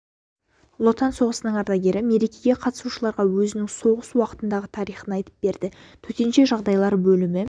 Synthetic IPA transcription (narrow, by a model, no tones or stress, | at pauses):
lˠo̞t̪ɑnso̞ʁəsənəɴŋɑɾd̪ɑɡʲe̞ɾɪme̞ɾe̞kʲe̞ɡʲe̞qʰɑt̪ə̥suʃəlˠɑɾʁɑwɵzɪnɪŋso̞ʁəswɑqə̥t̪ənd̪ɑʁət̪ʰɑɾijχənɑjt̪ə̥p̚be̞ɾd̪ɪ | t̪ʰɵt̪e̞nʃe̞ʒɑʁd̪ɑjlˠɑɾbɵlɪmɪ